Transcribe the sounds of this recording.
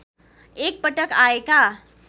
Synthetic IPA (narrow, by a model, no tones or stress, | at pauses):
ek̚pəʈəkaeka